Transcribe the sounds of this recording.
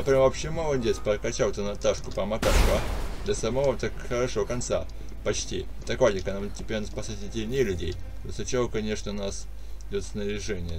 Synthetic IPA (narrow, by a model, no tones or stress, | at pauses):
əpɾʲvɐpɕemolˠədʲesʲpəkɐt͡ɕalˠt̪ənɐt̪aʂkʊpəmɐkaʂvɐd̪ɐsɐmɐvot̪akxəɾɐʂokɐnt̪sa̰ | pɐt͡ɕtʲḭ | t̪ɐkvadʲɪkənamtʲːɪpʲeɾʲnɐspɐsatʲetʲɪlʲnʲejəlʲʉdʲḛj | t̪osət͡ɕɪvokɐnʲe̞ʂnəʊnas | dʲot̪snəɾʲɪʐɛnʲɪjə